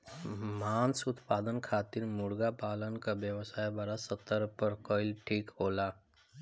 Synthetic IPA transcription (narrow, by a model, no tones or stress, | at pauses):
mansut̪pad̪ənkʰat̪iːɾmuɽɡapalənkabjəʋsajbaɾasət̪ːəɾpəɾkəjlʈʰiːkɦola